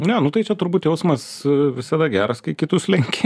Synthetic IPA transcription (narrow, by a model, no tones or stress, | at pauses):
nʲɛnʊt̪ɐɪt͡ʃʲɛt̪ʊɾbuːt̪jɛʊsmɐs | ʋʲɪsɐd̪ɐɡʲæːɾɐskɐɪkʲɪt̪ʊslʲɛŋʲkʲe